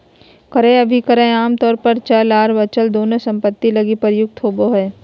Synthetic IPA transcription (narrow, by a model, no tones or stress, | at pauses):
kəɾẽɐbʱikəɾẽaːmt̪ɔːɾpəɾt͡ʃalaːɾbət͡ʃəld̪oːnõsɐ̃mpət̪ːilɐɡipəɾjʊk̚t̪ʰɦoːboɦɛː